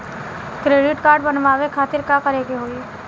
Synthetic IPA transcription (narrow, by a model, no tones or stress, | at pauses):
kɾeːɖɪʈkaːɾɖbɐnʋaːʋekʰaːt̪ɪɾkakɐɾeːɡeɦoːi